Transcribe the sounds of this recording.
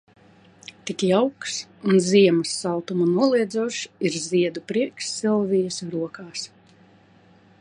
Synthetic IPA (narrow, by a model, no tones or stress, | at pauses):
t̪ikjawksunziɛmɐsːalˠt̪umunuɔlˠiɛd̪zuʃiɾziɛd̪upɾiɛksːilˠvʲijɐsɾuɔkaːs